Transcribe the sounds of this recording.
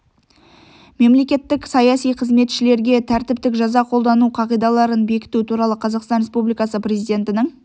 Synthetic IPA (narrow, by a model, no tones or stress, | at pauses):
me̞mle̞kʲe̞t̪ːɪksɑjɑsijqʰəzme̞t̪ʃɪle̞ɾɡʲe̞t̪ʰæɾt̪ɪpt̪ɪkʒɑzɑqʰo̞lˠd̪ɑnuqʰɑʁijd̪ɑlˠɑɾənbe̞kʲɪ̥t̪ut̪ʰuɾɑlˠəqʰɑzɑqst̪ɑnɾʲe̞spublijkɑsəpɾʲezijd̪e̞nt̪ɪnɪŋ